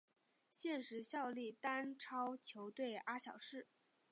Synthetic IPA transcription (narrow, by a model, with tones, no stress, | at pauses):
ɕjɛ˥˩nʂɻ̩˧˥ɕjɑ˥˧ʊli˥˩t̪a˥nʈ͡ʂʰɑ˥ʊt͡ɕʰjo˧˥ʊt̪we˥˩ɪʔa˥ɕjɑ˨˩ʊʂɻ̩˥˩